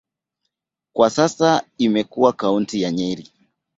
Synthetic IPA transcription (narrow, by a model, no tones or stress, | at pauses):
kwasasaimɛkuakauntijaɲɛiɾi